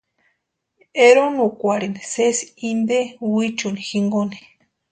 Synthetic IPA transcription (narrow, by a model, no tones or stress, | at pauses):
eɾonukʷaɾinesesind̪ewit͡ʃunixiŋɡoni̥